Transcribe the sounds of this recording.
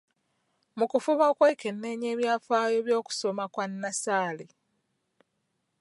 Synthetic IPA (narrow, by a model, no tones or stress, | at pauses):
mukufuβakweke̞nːeːɲe̞ːβjaːfaːjo̞βjo̞ːku̥so̞makwanːasaːle